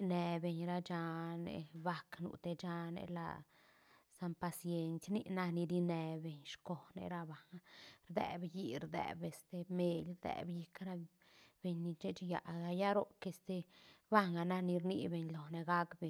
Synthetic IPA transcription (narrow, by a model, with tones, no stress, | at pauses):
ne˧be˧˨ɲɾa˧t͡ʃa˧nḛ˧ba˧knṵ˨t̪e˧t͡ʃa˧nḛ˧la̰˧ | sa˧mpa˧sje˧nsʲni˦na˧ni˧ɾi˧ne˧be˨ɲʃko˨nḛ˧ɾa˧ba˨ŋa˧ɾd̪ḛ˧˨bji˧ɾd̪ɛ̰˨be˧st̪e˧me˧lɾd̪ḛ˨bji˧kɾa˦ | b̥e˧ɲni˧t͡ʃe˦t͡ʃja˨ɡa˧ja˦ɾo˦ke˧st̪e˧ba˦ŋa˨na˦˧ni˧ɾnḭ˧be˧˨ɲlo˨ne˧ɡa˦kbe˨